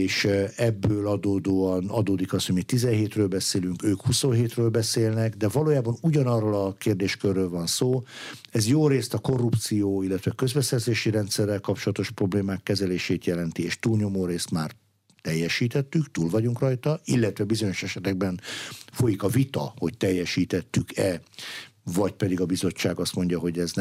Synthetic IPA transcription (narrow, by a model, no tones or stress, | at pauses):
eːʃɛbːøːlɒd̪oːd̪oːɒnɒd̪oːd̪ikɒshoɟmiːt̪ːizɛnɦeːt̪røːlbɛseːlyŋkøːkhusonɦeːt̪røːlbɛseːlnɛɡd̪ɛvɒloːjaːbɒnuɟɒnɒrːolɒkeːrd̪eːʃkørːøːlvɒnsoːɛzjoːɾeːst̪ɒko̞rːupt̪sijoːilːɛt̪ʋɛkø̞zbɛsɛrzeːʃiɾɛnt̪sɛrːɛlkɒpt͡ʃolɒt̪o̞ʃpro̞bleːmaːkːɛzɛleːʃeːt̪jɛlɛnt̪ieːʃt̪uːlɲo̞moːɾeːst̪maːr | t̪ɛjːɛʃiːt̪ɛt̪ːykt̪uːlvɒɟuŋkrɒjt̪ɒilːɛt̪ʋɛbizo̞ɲo̞ʃɛʃɛt̪ɛɡbɛnfo̞jikɒvit̪ɒ̰ho̞ct̪ɛjːɛʃiːt̪ɛt̪ːykɛ | vɒcpɛd̪iɡɒbizo̞t͡ʃːaːɡɒst̪mo̞ɲɟɒɦo̞ɟɛzn